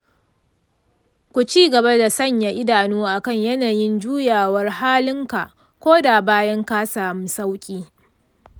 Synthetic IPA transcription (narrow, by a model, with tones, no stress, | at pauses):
kʷu˨t͡ʃiː˦˨ɡɐ˨ba˦da˨sɐ˦˨ɲja˨ʔɪ˦daː˨nuː˦ʔa˨kɐ˦˨ɲjɐ˦naː˨jɪ˦nd͡ʒuː˦jaː˨wɐ˦rhaː˦lɪ˦ŋka˨ʔ | kʷoː˦da˨baː˦jɐ˦ŋka˦saː˨mʊ˦nsa˦wkʲʼiː˦